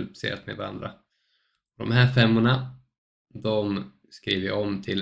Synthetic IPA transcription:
lpsḛːɾa̰t̪meɛ̰vaɾa̰nd̪ɾa̰ | ɔd̪ɔ̰mɦæːɾfɛmːʊɳa | d̪ɔm | skɾiːvəʔɔmt̪ʰɪl

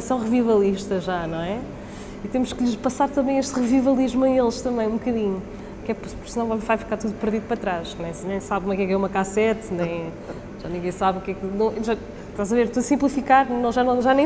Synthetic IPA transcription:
sɐ̃w̃ʁɨvivɐlˠiʃt̪ɐʒanɐ̃w̃ɛ | it̪emuʃkʎɨʃpɐsaɾt̪ɐ̃mbɐ̃j̃eʃt̪ʁɨvivɐlˠiʒmuɐ̃elˠʃt̪ɐ̃mbɐ̃j̃ũbkɐðiɲu | kɛpɾspuɾsnɐ̃w̃ɔβivajfikaɾt̪uðupɨɾðiðupɾɐt̪ɾaʃnẽsnɐ̃j̃saβkumɛkɛkɛumɐkasɛt̪nɐ̃j̃ | ʒ̥anĩɡɐ̃j̃saβukɛknɐ̃w̃ʒa | ʃt̪azɐveɾt̪uɐsĩmplˠifikaɾnɐ̃w̃ʒanɐ̃w̃ʒanɐ̃

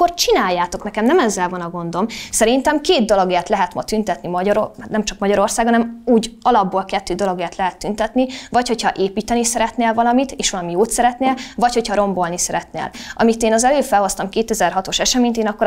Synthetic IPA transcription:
ort͡ʃinaːjːaːt̪o̞knɛkɛmnɛmɛzːɛlvɒnɒɡo̞nd̪omsɛɾint̪ɛmkeːd̪̚d̪o̞loɡeːrt̪lɛɦɛt̪mɒt̪ynt̪ɛt̪nimɒɟɒɾonɛmt͡ʃɒkmɒɟɒɾo̞rsaːɡhɒnɛmuːɟɒlɒbːoːlkɛt̪ːøːd̪o̞loɡeːrt̪lɛɦɛt̪ːynt̪ɛt̪nivɒcho̞chɒʔeːpiːt̪ɛnisɛɾɛt̪neːlvɒlɒmit̪eːʃʋɒlɒmijoːt̪sɛɾɛt̪neːlvɒcho̞cʰhɒɾo̞mbo̞lnisɛɾɛt̪nḛːlʔɒ̰mit̪eːnɒzɛløːfɛlhɦo̞st̪ɒmkeːt̪ɛzɛrɦɒt̪o̞ʃɛʃɛmeːɲt̪eːnɒkːo

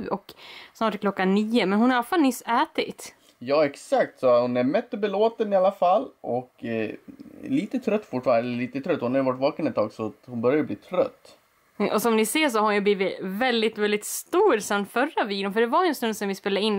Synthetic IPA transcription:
ʔɔksnɑːʈklɔkːanːiːəmɛnhʊnhaɾalafalnʏsːæːt̪ɪ̰t̪ | jɑːɛksakt̪sɔhʊnæɾmɛt̪ːɔbɛloːt̪ənɪalːafalːʔɔk | liːt̪ət̪ʰɾœt̪ːfʊʈːfɑːnaɛləliːt̪ət̪ʰɾœt̪ːɔhʊnhaɾjʏvaʈːvɑːkənɛt̪ʰːɑːɡsɔt̪hʊnbœɾjajəbliːt̪ʰɾœt̪ː | ʔɔsɔmnɪseːʂɔhaɾʊnjɵbliːvɪvɛld̪ɪt̪vɛld̪ɪt̪st̪uːɾsɛnt̪fœɾːaviːɡ̪ʊnfœɖɛvaɾɛnst̪ɵnd̪sɔmvɪspeːlaɪnː

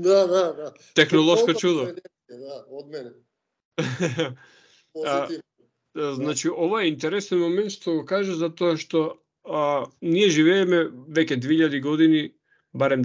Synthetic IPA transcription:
d̪ad̪ad̪a | t̪ɛxnɔlˠɔskɔt͡ʃud̪ɔ | d̪aod̪̚mɛnɛ | znat͡ʃiɔvaɛint̪ɛɾɛsɛnmomɛnt̪ʃt̪oɡɔkaʒazat̪ɔaʃt̪ɔ | niɛʒivɛːmɛvɛcʲɛd̪vɛiʎːad̪iɡɔd̪ini | baɾɛm

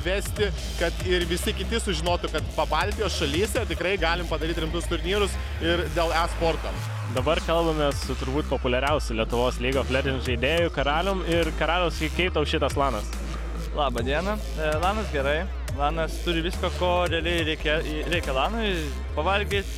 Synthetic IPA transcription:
ʋʲæːsʲt̪ʲɪ | kɐt̪ɪɾʋʲɪsʲɪkʲɪt̪ʲɪsʊʒʲɪnoːt̪ʊkɐt̪pɐbɑːlʲt̪ʲijoːsʃɐlʲiːsʲɛt̪ʲɪkɾɐɪɡɑːlʲɪmpɐd̪ɐɾʲiːt̪ʲɾʲɪmt̪ʊst̪ʊɾʲnʲiːɾʊs | ɪɾd̪ʲeːlˠæːspoːrt̪oː | d̪ɐbɐrkɐlˠbɐmʲeːssʊt̪ʊɾbuːt̪̚poːpʊlʲɛɾʲɛʊsʲʊlʲiɛt̪ʊʋoːslʲiːɡoːfʲlʲɛdʲɪnʲʒɐɪd̪ʲeːjʊkɐɾɑːlʲoːmɪɾkɐɾɑːlʲoːskʲɛɪt̪ɐʊʃʲɪt̪ɐslˠɑːnɐs | lˠɑːbɐd̪ʲiɛnɐ | lˠɑːnɐsɡʲɛɾɐɪ | lˠɑːnɐst̪ʊɾʲɪʋʲɪskoːkoːɾʲɛɐlʲɛɪɾʲɛɪkʲe | ɾʲɛɪkʲɛlˠɑːnʊɪ | pɐʋɐlʲɡʲiːt̪ʲ

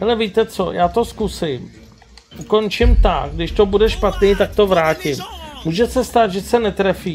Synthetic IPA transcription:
ɦɛlɛviːt̪ɛt͡so̰jaːt̪o̞skusɪm | ʔuko̞nt͡ʃɪmt̪aɡ̚ɡdɪʃt̪o̞budɛʃpat̪niːt̪ak̚t̪o̞vɾaːcɪmmuːʒɛsɛst̪aːt̪ʒɛsɛnɛt̪ɾɛfiː

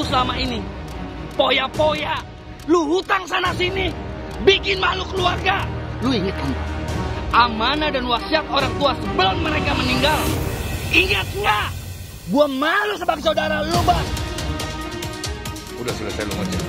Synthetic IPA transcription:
usəlamaini | pojapoja | luɦut̪aŋsanasini | bikɪnmalukəluarɡaluiŋət̪inaʔamanadanwasiat̪̚oɾaŋt̪uasəbəlʊmːəɾekaməniŋɡal | iŋət̪̚ŋa | buamalusəbaksaudaɾaluba | udasulasajalṵŋa̰t͡ʃa

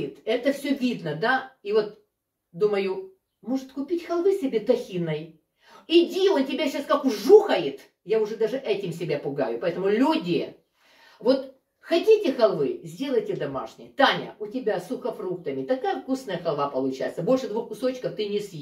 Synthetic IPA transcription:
ɪt̪ɛt̪əfsʲɵvʲid̪nəd̪aivo̞t̪ | d̪uməjʊ | mo̞ʐɨt̪kʊpʲitʲxɐlˠvɨsʲɪbʲe̞t̪ɐxʲinːəj | ɪdʲiontʲɪbʲaɕaskakʊʐuxəjɪt̪ | jaʊʐɛd̪aʐɨʔɛtʲɪms̬ʲɪbʲapʊɡa̰jʊpɐɛt̪əmʊlʲudʲɪ | vo̞t̪ | xɐdʲitʲɪxɐlˠvɨzʲdʲe̞lˠəjtʲɪd̪ɐma̰ʂnʲɪ̰jt̪anʲə̰ʔʊtʲɪbʲasʊxɐfɾuk̚t̪əmʲɪt̪ɐkajəfkusnəjəxɐlˠvapəlˠʊt͡ɕajɪt̪səbo̞lʲʂɨd̪vuxkʊso̞t͡ɕkəft̪ɨnʲɪsʲ

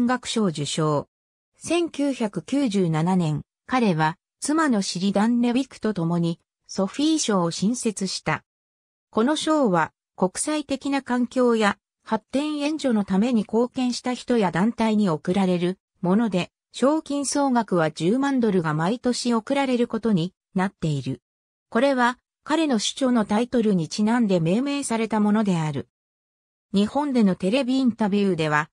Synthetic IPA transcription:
ŋɡakɯ̟̥ɕo̞ːʑɨɕo̞ː | sẽ̞ŋkʲɨːçakɯ̟kʲɨːʑɨːnananẽ̞ŋ | kaɾe̞βa | t͡sɨmano̞ɕiɾʲid̪ãnɾebʲikːɯ̟̥t̪ot̪o̞mo̞ɲ̟i | so̞ɸʲiːɕo̞ɕĩɰ̃se̞t͡sɨɕi̥t̪a | ko̞no̞ɕo̞ːβa | ko̞kɯ̟̥sait̪e̞kʲinakãŋkʲo̞ːja | hat̪ːẽ̞ɰ̃ẽ̞ɲ̟d͡ʑo̞no̞t̪ame̞ɲ̟iko̞ːkẽ̞ɰ̃ɕi̥t̪açi̥t̪o̞jad̪ãnt̪aiɲ̟io̞kɯ̟ɾaɾe̞ɾɯ̟ | mo̞no̞d̪e̞ | ɕo̞ːkʲĩɰ̃so̞ːɡakɯ̟β̞ad͡ʑɨːmãnd̪o̞ɾɯ̟ɡamait̪o̞ɕio̞kɯ̟ɾaɾe̞ɾɯ̟ko̞t̪o̞ɲ̟i | nat̪ːe̞iɾɯ̟ | ko̞ɾe̞βa | kaɾe̞no̞ɕɨ̥t͡ɕo̞ːno̞t̪ait̪o̞ɾɯ̟ɲ̟it͡ɕinãnd̪e̞me̞ːme̞ːsaɾe̞t̪amo̞no̞d̪e̞aɾɯ̟ | ɲ̟ihõ̞nd̪e̞no̞t̪e̞ɾe̞bʲiĩnt̪abʲɯːd̪e̞β̞a

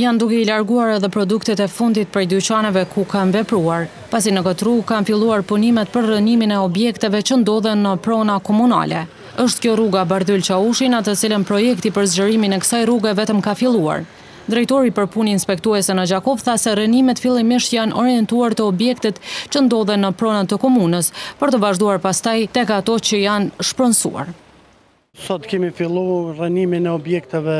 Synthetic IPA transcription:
jand̪ukɛilaɾɡuaɾɛðɛpɾɔd̪ukt̪ɛt̪ɛfund̪it̪̚pɾɛjd̪yt͡ɕanɛvɛkukanvɛpɾuaɾ | pasinəkət̪ruɡ̚kanfilˠuaɾpunimɛt̪̚pəɾːəniminɛɔbjɛkt̪ɛvɛt͡ʃənd̪ɔðɛnːəpɾɔnakɔmuna̰lɛ | əʃt̪kjɔruɡabaɾðylt͡ʃauʃinat̪ət͡silənpɾɔjɛkt̪ipəɾzd͡ʑəɾiminɛkə̥sajruɡɛvɛt̪əmkafilˠua̰ɾ | d̪ɾɛjt̪ɔɾipəɾpuniinspɛkt̪uɛsɛnəd͡ʑakɔvθasɛɾənimɛt̪filˠimiʃt̪janʔɔɾjɛnt̪uaɾt̪əɔbjɛkt̪ɛt̪t͡ɕənd̪ɔðɛnəpɾɔnat̪əkɔmunəspəɾt̪əvaʒd̪uaɾpast̪ajt̪ɛkat̪ɔt͡ɕəjanʃpɾənsṵa̰ɾ | sɔt̪kɛmifilˠurəniminɛɔbjɛk̚t̪ɛvɛ

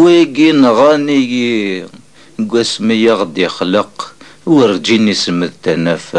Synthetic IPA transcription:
wæjɡinʁɑniɡi | ɡʷæsmijəʁd̪ixləqwərˤd͡ʒinisəməðt̪ænæf

